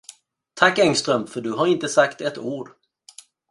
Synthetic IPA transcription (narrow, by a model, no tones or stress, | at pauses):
t̪ʰakːɛŋst̪ɾœmfœɖɵɦaɾɪnt̪əsakt̪ɛt̪uːɖ